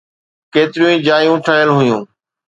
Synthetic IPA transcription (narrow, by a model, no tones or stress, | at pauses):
keːt̪ɪɾijũĩːd͡ʑaːjũːʈʰaːjəlɦʊjũː